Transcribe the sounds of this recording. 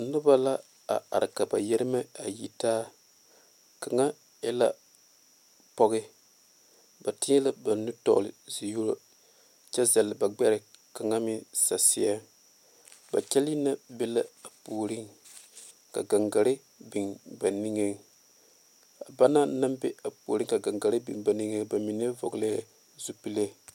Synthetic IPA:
nʊ˦ba˦la˦ | a̰˨a̰˨ɾɪ˨ka˨ba˨jɛ˦ɾɪ˦ma˦a˨ji˨taː˦ | ka˨ŋa˦ | jɛ˦la˦ | pɔ˦ɣɪ˦ | ba˨tɪ˦ɛ˦la˦ba˨nu˦tɔ̰˦˨lɪ̰˨zi˨ju˦ɾo̰˦ | t͡ʃɛ˦za˨lɪ˨ba˨ɡ͡bɛ˦ɾɪ˨ka˨ŋa˦mɪ˦sa˨sɪ˦a˦ | ba̰˨t͡ʃɛ˦li˦na˦bɛ˦la˦a˨puː˨ɾi˦ŋ | ka̰˨ɡa˨ŋɡa˨ɾɪ˦ | bi˨nba˨ni˦ŋe˦ŋ | a˨ba˦na˦na˦mbɛ˦a˨pṵː˨ɾi˦ka˨ɡa˨ŋɡa˨ɾɪ˦bḭ˨nba˨ni˦ŋe˦ba˨mi˨n˦vɔ̰˨ɡla˦˨ | zu˦pi˦le˦˨

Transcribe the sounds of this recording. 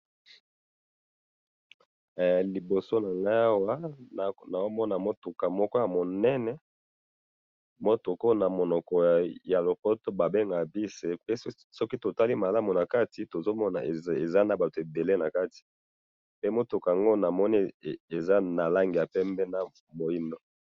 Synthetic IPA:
li˨bo˨so˦na˨ŋɡa˦a˦wa˦n˨na˨o˦mɔ˦na˨mo˦tu˨ka˨mɔ˦kɔ˦ja˨mo˨nɛ˦nɛ˦ | mo˦to˨kɔ˦na˨mo˨nɔ˨kɔ˨ja˨lo˨pɔ˦to˦ba˨be˦ŋɡa˨bi˦se˦pe˦ | sɔ˦ki˦to˨ta˦li˦ma˨la˦mu˨na˨ka˦ti˨to˨zo˦mɔ˦na̰˨e˨za˦na˨ba˨to˨e˨be˨le˦na˨ka˦ti̥˨ | pe˦mo˦tu˨ka˨a˨ŋɡo˦na˨mɔ˦ni˦˨e˨za˦na˨la˦ŋɡi˨ja˨pɛ˦mbɛ˦na˦ | mo˨ji˦ndo˦

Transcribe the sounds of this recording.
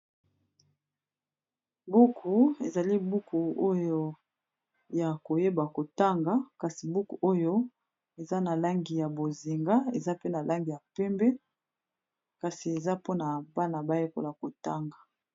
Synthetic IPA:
bu˦kʰu˨e˨za˨li˦bu˦kʰu˨o˦jo˦ | ja˨ko˨je˦ba˨ko˨ta˦ŋɡa˨ka˨si˨bu˦kṵ˨ʔo˦jo˦ | e˨za˦na˨la˦ŋɡi˨ja˨bo˨zi˨ŋɡa˦e˨za˦pe˦na˨lʔa˦ŋɡi˨ja˨pɛ˦mbɛ˦ | ka˨si˨e˨za˦po˦na˨ba˦na˨ba˦je˦ko̰˨la˨ko˨ta˦ŋɡa˨

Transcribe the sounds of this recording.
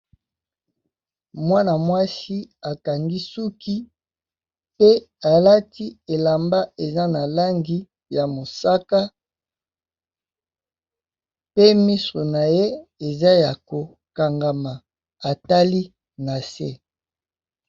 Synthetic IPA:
mwa˦na˨mwa˦si˦a˨ka˨ŋɡi˦su˦ki˦ | pe˦a˨la˦ti˦e˨la˨mba˦e˨za˦na˨la˦ŋɡi˦ | ja˨mo˨sa˦ka˦ | pe˦mi˦so˨na˨je˦e˨za˦ja˨ko˨ | ka˨ŋɡa˨ma˨ | a˨ta˦li˦ | na˨sḛ˦˨

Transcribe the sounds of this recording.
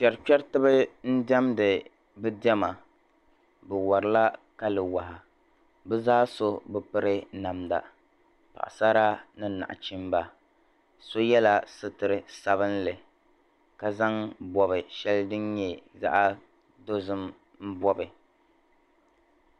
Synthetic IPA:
pʲɛ˨ɾpɛ˦ɾtɨ˦bɨ˦n̩˦dɛ˦mdɨ˨ | bɨ˦dɛ˦ma˨ | bɨ˨wɔ˨ɾɨ˨la˦ka˦lɨ˨wa˨ha˨ | bɨ˦zaː˦so˦bɨ˦pɨ˦ɾɨ˦na˨mda̰˨ | pa̰˨ʔa̰˨sa˦ɾa˦nɨ˦na̰˨ʔa̰˨t͡ʃi˦m˦ba˨ | so˦jɛ˦la˦sɨ˦tɨ˨ɾɨ˨sa˨βɨ˦nlɨ˨ | ka˨za˦ŋbɔ˨βɨ˨ʃɛ˦ldɨ˦nɲɛ˨za̰˦ʔa˦ | do˦zɨ˦m | m̩˦bɔ˦bɨ˨

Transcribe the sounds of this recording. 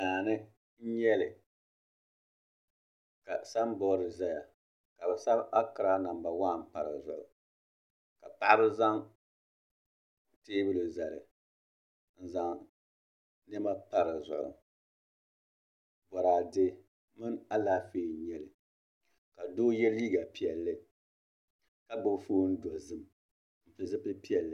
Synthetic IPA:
naː˨nɨ˦ | n̩˦ɲɛ˦lɪ˨ | ka˨sa˦m˦bɔ˦ɾɨ˨za˦ja˨ | ka˨bɛ˨sa˦bʔa˦kɨ˨ɾa˦na˨mba˨wa˦˨m˦pa˨ɾɨ˨zʊ̰˨ʔʊ̰˨ | ka˨pa˦ʔa˦bɨ˦za˦ŋ | teː˦bɨ˦lɨ˨za˨lɪ̰˨ | n̩˦za˨ŋ | nɛ˦ma˦pa˦ɾɨ˨zʊ̰˨ʔʊ̰˨ | bɔ˨ɾaː˨dɪ˦ | mɨ˦na˦laː˦feː˦˨ɲɛ˦lɨ˨ | ka˨doː˦jɛ˦liː˦ɡa˨pi˦˨ɛ˨lːɨ˦ | ka˦bo˨bfoː˦n̩˦da˨zɨ˦m | m̩˨pɨ˨zɨ˦pɨ˦pi˦ɛ˨lːɨ˨

